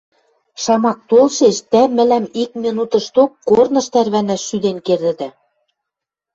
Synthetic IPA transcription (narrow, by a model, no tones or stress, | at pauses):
ʃɑmɑk̚t̪olʃeʃd̪æmɘ̆læmik̚mʲinut̪ɤ̆ʃt̪okːornɤ̆ʃt̪ærβænæʃːyd̪enkerd̪ɘ̆d̪æ